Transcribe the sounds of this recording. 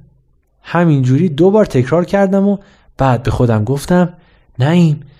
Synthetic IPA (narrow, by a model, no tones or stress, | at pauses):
hæmind͡ʒuːɾiːd̪obɒːɾt̪ʰe̞cʰɾɒːɾcʰæɾd̪æmo | b̥æːd̪̚be̞xo̞d̪æmɡoft̪æm | næiːm